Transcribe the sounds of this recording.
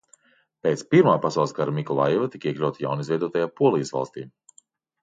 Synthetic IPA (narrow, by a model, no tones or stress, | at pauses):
peːt̪spiɾmaːpasawlˠskaɾamikɔlˠa̰jɛvat̪i̥kiɛklʲawt̪ja̰wnizvɛjd̪uɔt̪ajaːpuɔlˠijəsva̰lˠst̪ḭː